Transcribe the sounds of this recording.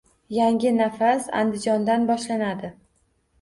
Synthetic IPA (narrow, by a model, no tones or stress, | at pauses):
jaŋʲɪnafasa̰nd̪ɪd͡ʒɒnd̪anbɒʃlanad̪ɪ